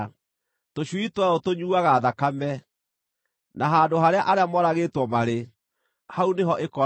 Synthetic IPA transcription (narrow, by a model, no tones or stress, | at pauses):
toɕwitwɛotoɲuaɣaðakamɛ | naɦandoɦaɾeaʔaɾeamɔɾaɣetwɔmaɾe | hauneɦɔʔekɔ